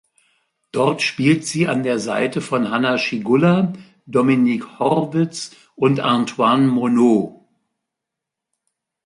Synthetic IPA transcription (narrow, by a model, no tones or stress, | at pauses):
d̥ɔʁtʃpiːltz̥iːandeːɐza̰ɪtəfɔnɦanaʃiɡʊla | dɔminikhɔʁvɪt͡s | ʔʊntʔantʰwanmonoː